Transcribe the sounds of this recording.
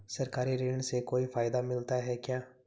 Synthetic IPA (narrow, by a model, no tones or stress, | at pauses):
səɾkaːɾiɾeːɳsekoːifʰaːɪd̪amɪlt̪aɦɛːkjaː